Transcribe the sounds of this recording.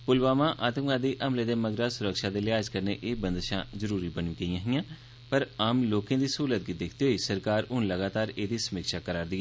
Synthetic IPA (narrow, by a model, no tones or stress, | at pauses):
pʊlbaːmãːʔaːt̪əmɡaːd̪iːʔəmleːd̪eːməɡɾaːsʊɾəkʃaːd̪eːlɪaːzkəɾnḛːʔeːbənd̪ʃã̰ːzəɾuːɾiːbənĩɡəiːãːɦɪjãː | pəɾaːmloːkẽːd̪iːsəɦuːlət̪̚ɡid̪ɪkʰt̪eːɦoːiːsəɾkaːɾʊnləɡaːt̪aːɾeːd̪iːsəmiːkʃaːkəɾaːɾd̪iːɛː